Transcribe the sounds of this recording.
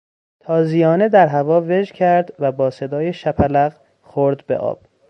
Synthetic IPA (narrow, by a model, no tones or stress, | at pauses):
t̪ʰɒːzijɒːne̞d̪æɾɦævɒːve̞d͡ʒcʰæɾd̪væbɒːse̞d̪ɒːjeʃæpʰælæɣ | xoɾd̪bḛʔɒ̰ːb̥̚